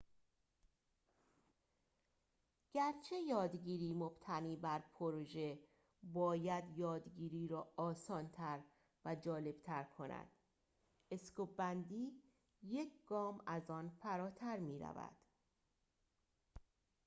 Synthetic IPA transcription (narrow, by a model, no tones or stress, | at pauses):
ɟ̥æɾt͡ʃʰe̞jɒːd̪ɟiːɾiːmob̥t̪ʰæniːbæɾpʰoɾoʒe̞ | bɒːjæd̪jɒːd̪ɟiːɾiːɾɒːɒːsɒːnt̪ʰæɾ | væd͡ʒɒːle̞b̥t̪ʰæɾkʰo̞nʔæ̰d̪̥ | e̞skobænd̪iː | je̞cʰɡ̥ɒːmæzɒːnfæɾɒːt̪ʰæɾmiːɾæ̰væ̰d̪̥